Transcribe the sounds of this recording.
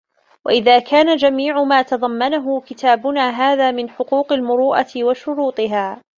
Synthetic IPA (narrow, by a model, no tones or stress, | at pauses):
wa̰ʔɪðaːkʰaːnad͡ʒamiːʕʊmaːt̪ɑðˤɑmːanaɦʊkɪt̪ʰaːbʊnaːɦaːðaːmɪnħʊquːqalmʊɾuːʔat̪ɪwaʃʊɾuːt̪ˤɨɦaː